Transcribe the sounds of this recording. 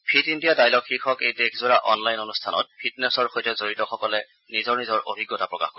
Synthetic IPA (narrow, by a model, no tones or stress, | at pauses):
pʰitindijadajlɔkxixɔkejtekʰzɔɹaʔɔnlajnonustʰanɔ̰t̚pʰitnɛsɔɹxojtɛzoɹitɔxɔkɔlɛ | nizɔɹnizɔɹʔo̰bʱiɡːɔtapɹɔka̰xko